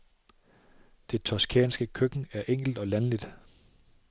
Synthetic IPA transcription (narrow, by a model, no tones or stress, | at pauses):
d̥e̝t͡sʰɒskʰɛ̰ːnsɡ̥əkʰøɡ̥n̩æɐʔeŋ̰ɡ̥l̩d̥ɒ̽lænlid̥